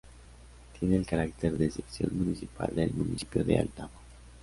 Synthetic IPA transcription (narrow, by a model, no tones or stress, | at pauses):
t̪jeneːlkaɾakt̪eɾðesepsjo̞̰nmunisipa̰ld̪elmunisi̥pjoðea̰lt̪amo